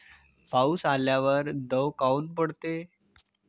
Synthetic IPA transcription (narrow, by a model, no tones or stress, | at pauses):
pausaljaʋəɾd̪əwkaunpəɽt̪e